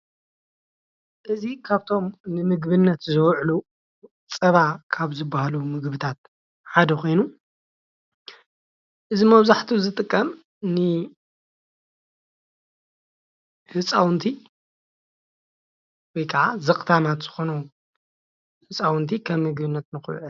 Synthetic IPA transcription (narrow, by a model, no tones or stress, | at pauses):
ʔɨzikʰaβt̪ʰo̞mnɨmɨɡbɨnːɐt̪zɐwʕlu | t͡sʼɐβakʰaβzɨbːahalumɨɡbɨt̪ʰat̪̚ | ħad̪ɐxʰo̞jnu | ʔɨzimɐβzaħt̪ʰuzɨt̪ʼɨkʼːɐm | nɨ | hɨt͡sʼawnt̪ʰi | wɔjkʰɐʕazɐkʼt̪ʰamat̪z̥ɨxo̞nu | hɨt͡sʼawnt̪ʰikʰɐmːɨɡbɨnːɐt̪nɨxɨj̰ʕ